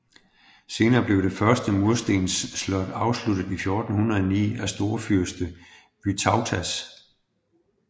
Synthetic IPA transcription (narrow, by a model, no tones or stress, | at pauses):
se̝ːnɐːb̥le̝ʊɾ̥e̝fɶɐsd̥əmuɐsd̥e̝̰ːnsːlɒ̽d̥ɑ̈ʊslud̥ð̩ˠifjo̝ːd̥n̩hunʁɐɒnḭːæsd̥o̝ɐfyɐsd̥ə | ʋ̥yt͡sʰɑ̈ʊt͡sʰæs